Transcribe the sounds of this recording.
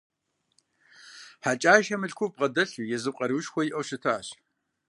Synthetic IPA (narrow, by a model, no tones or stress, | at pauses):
ħat͡ʃʼaːjʃɐmɨɬkʷʰʊb̚qʼɐdɐɬujɛzɨp̚qʼɐɾɨwʃxʷɔjiʔɐwɕɪtʰɐaːɕ